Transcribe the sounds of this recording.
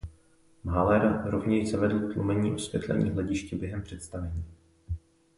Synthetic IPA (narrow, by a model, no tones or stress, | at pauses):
mɦalɛɾɾovɲɛʃzavɛdl̩ˠkt̪lumɛɲiːʔosvjɛ̰t̪lɛ̰ɲḭːɦlɛɟɪʃcɛbjɛɦɛmpr̥ɛt̪st̪avɛɲiː